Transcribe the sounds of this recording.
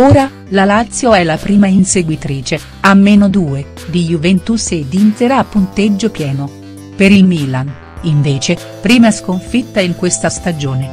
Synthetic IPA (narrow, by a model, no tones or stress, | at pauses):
oːɾa | lalat̪sːjoɛlapɾiːmainseɡwit̪ɾiːt͡ʃe | amːenod̪uːe | d̪ijuvɛnt̪used̪inseɾaːpːunt̪ed͡ʒːopjɛːno | peɾilmiːlan | iɱveːt͡ʃe | pɾiːmaɛskoɱfit̪ːaiŋkwest̪ast̪ad͡ʒoːne